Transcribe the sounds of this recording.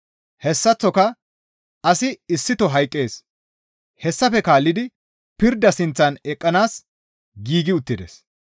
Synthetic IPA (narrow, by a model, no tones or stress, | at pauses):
hɛsːɐt͡sːɔkɐ | ɐsɪɪsːɪt̪ɔɦɐjkʼːe̞ːs | hɛsːɐfɛkaːlːɪd̪ɪ | pɪɾd̪ɐsɪnt͡sːɐnɛkʼːɐnaːs | ɡiːɡɪʊt̪ːɪd̪ḛs